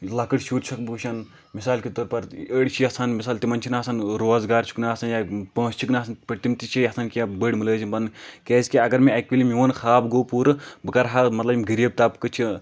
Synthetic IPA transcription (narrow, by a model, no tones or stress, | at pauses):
lɐkɨɽʃuːɾt͡ʃʰɐk̚bɨuʃɐn | misaːlkit̪oːɾpɐɾəɽt͡ʃʰiɐsaːnmisaːlt̪imɐnt͡ʃʰinaːsɐnɾoːzɡaːɾt͡ʃʰu̥knaːsɐnjapə̃ːst͡ʃʰuknaːsɐnpɐt̪imt̪it͡ʃʰijɐsankijabəɽʲmɨləːzibɐnkʲeːsʲkʲiɐɡɐɾmeɐkʲʋilimiʋɐnxʰaːbɡoːpuːɾbɨkɐɾɦamɐt̪lɐbmɡɨɾiːb̚t̪aːpkɨt͡ʃʰi